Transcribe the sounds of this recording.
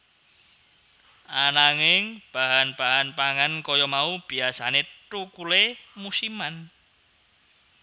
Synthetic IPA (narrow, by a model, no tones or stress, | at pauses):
ʔanaŋɪŋb̥aɦanb̥aɦanpaŋankɔjɔmaub̥iasanetukulemusiman